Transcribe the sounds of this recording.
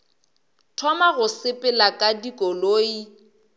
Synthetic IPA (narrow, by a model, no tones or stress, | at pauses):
tʰɔmaɣʊsɪpʼɪlakʼadikʼɔloːi